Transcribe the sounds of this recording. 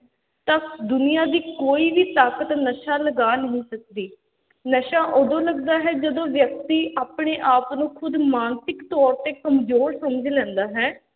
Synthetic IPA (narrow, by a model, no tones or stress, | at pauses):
t̪əd̪ʊnijaːd̪iːkoːiːʋiːt̪aːkət̪nəʃaːləɡaːnəɦĩːsək̚d̪iː | nəʃãːʔod̪õːləɡd̪aːɦɛːd͡ʒəd̪õːʋjək̚t̪iːaːpɳeːʔaːpnũːkʰʊd̪maːnsɪkt̪ɔːɾt̪eːkəmzoːɾsəməd͡ʒlɛ̃ːnd̪aːɦɛː